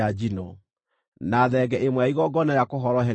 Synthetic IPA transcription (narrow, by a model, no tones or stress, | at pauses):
ad͡ʒinɔ | naðɛɡɛʔemwaiɣɔɡɔnaɾjakoɦɔɾɔɦɛ